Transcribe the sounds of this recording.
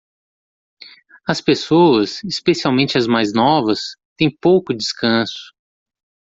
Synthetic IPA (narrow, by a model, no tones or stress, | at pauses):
ɐspesoɐsispesiawmẽnt͡ʃɪɐzmajznɔvɐst̪ẽj̃powkʊd͡ʒɪskɐ̃sʊ̥